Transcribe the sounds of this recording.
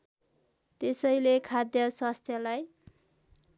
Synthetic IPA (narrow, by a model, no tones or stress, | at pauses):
t̪esʌjlekʰad̪jʌswast̪ʰjʌlaj